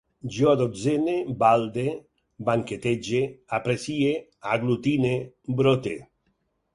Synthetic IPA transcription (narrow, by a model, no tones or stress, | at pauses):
d͡ʒoad̪ozenebald̪e | baŋket̪ed͡ʒeapɾesieaɡlut̪ine | bɾot̪ḛ